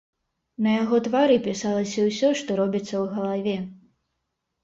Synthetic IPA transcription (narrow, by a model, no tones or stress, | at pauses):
nɐjaɣɔt̪vaɾɨpʲisalˠɐsʲɐwsʲɔʂt̪ɔɾɔbʲit̪sːɐwɣɐlˠavʲɛ